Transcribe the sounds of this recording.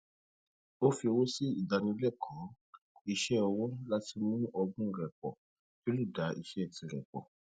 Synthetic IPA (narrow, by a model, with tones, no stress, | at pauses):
o˦fi˧o˧wo˦si˦i˨da˧nĩ˧˦lɛ˦˨kʰã˨˦ | i˧ʃɛ˦ɔ˧wɔ˦la˦ti˧˦mũ˦ɔ˧ɡũ˦˧ɾɛ˨k͡pɔ̰˨ | jo˦lu˦˨da˨˦ʔi˧ʃɛ˦˨tĩ˧˨ɾɛ̰˨k͡pɔ̰˨